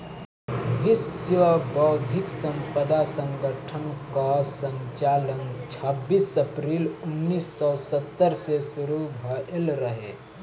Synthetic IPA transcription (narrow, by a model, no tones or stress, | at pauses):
ʋɪsjəbɔʊd̪ʱɪksə̃mpəd̪asə̃ŋɡəʈʰənkasə̃ɲt͡ʃaːlənt͡ʃʰəbːiːsəpɾiːlʊnːiːsɔsət̪ːəɾsesʊɾubʱəelɾəɦeː